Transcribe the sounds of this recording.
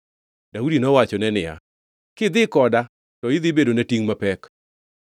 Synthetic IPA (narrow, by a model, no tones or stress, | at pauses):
d̥audinɔwat͡ʃɔnɛnɪja̰ | kɪd̪ɪkɔda | tɔɪd̪ɪbedonetiŋmapɛk